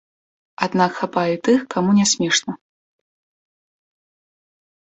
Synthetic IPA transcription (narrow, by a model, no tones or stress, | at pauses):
ad̪nakxapajit̪ɨxkʰamunʲɛsʲmʲɛʂnɐ